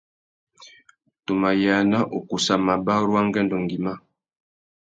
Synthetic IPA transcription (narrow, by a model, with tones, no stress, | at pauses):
to˨ma˨ja˨na˦ʔo˨ku˨sa˨ma˨ba˦ɾwa˦ŋ˦ɡɛ˦ndɔ˨ŋɡi˨ma˦